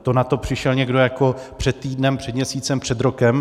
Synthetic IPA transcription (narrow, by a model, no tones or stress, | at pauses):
t̪onat̪o̞pr̝̥ɪʃɛlɲɛɡdo̞jako̞pr̝̥ɛt̪ːiːdnɛmpr̝̥ɛd̪mɲɛsiːt͡sɛmpr̥ɛd̪ɾo̞kɛm